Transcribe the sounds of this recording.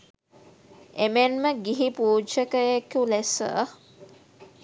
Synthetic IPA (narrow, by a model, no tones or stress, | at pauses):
emenməɡiɦipuːd͡ʒəkəjekulesə̰